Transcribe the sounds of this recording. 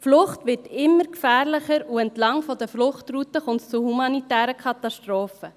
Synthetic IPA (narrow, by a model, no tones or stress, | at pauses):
flʊχtvɪtɪmːəɾkfæːɾlɪχəɾuɛntlɑŋfɔdəflʊχtrutəχʊntt͡suhumɑnitæːɾəkʰɑtɑʃtɾoːfə